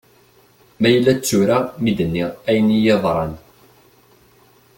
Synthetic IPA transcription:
mæjəlːæt͡sːʊɾamid̪ənːiʁæjənijɑðˤɾˤɑn

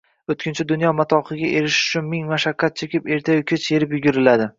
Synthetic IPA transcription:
ot̪kʰʲɪnt͡ʃʰad̪ʊnjɒmat̪ʰɒqʰɨɡʲaʔe̞ɾɪʃʊ̥t͡ʃʰʊnmɪŋmaʃakʲʰːat̪̚t͡ʃʰe̞kʲɪpe̞ɾt̪ʰajʊkʲʰet͡ʃʰje̞ɾɪpjʊɡʲʊɾɪlad̪ɪ

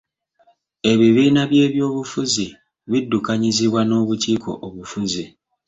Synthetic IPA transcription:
e̞βiβiːnaβje̞ːβjo̞ːβufuzi | βidːukaɲiziβwano̞ːβuciːko̞̰ʔoβufuzi

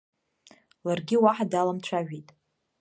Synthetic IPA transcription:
larɡʲɪwaħadalamt͡ɕʷʰaʒᶣitʼ

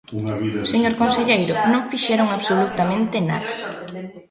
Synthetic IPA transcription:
seɲoɾkonseʎejɾʊnõŋfiʃɛɾoŋaβsolut̪amẽnt̪ɪna̰ðɐ

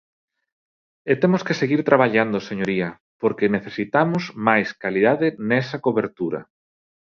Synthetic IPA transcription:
et̪emoskeseɣiɾt̪ɾaβ̞aʎand̪oseɲoɾiɐ | poɾkeneθesit̪amʊzmajskaliðaðɪnɛsɐkoβeɾt̪uɾɐ̰

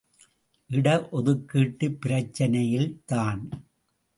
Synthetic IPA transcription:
ʔɪɽɐʔɔðɯkːiːʈːɯpːɪɾɐt͡ʃːɐnɐjɪlt̪aːn

